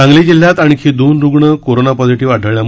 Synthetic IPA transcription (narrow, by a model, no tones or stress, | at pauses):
ãŋɡlid͡ʑil̤ːjat̪aɽ̃ikʰid̪onɾuɡɳəkoɾonapɔd͡ziʈiʋaʈʰəʋɭjam